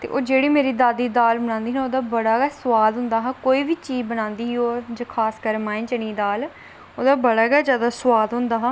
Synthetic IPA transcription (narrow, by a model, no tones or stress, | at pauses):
t̪ḛːʔoːd͡ʒeːɽiːmeːɾiːd̪aːd̪iːd̪aːlbəñãːnd̪iːɦnoːd̪aːbəɽaːɡaːsʊʋaːd̪ɦʊ̃nd̪aːɦaːkoːiːʋiːt͡ʃiːzbənãːnd̪iːɦioːd͡ʒəːkʰaːskəɾmaːĩnt͡ʃəniːd̪aːl | oːd̪aːbəɽaːɡaːd͡ʒjaːd̪aːswaːd̪ɦʊ̃nd̪aːɦaː